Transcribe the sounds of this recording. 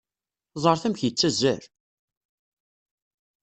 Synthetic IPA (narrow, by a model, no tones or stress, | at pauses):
zˤəɾˤθæmçjət͡sːæzːæ̰ɾ